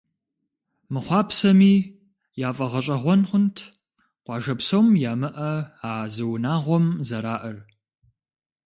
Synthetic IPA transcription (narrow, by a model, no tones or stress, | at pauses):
mɨχʷɑːpsɐmiː | jaːfʼɐʁɐɕʼɐʁʷɔnχʷʊntʰ | qʷɑːʒɐpsowmjaːmɨʔɐaːzɨwnaːʁʷɔmzɐɾaːʔɐr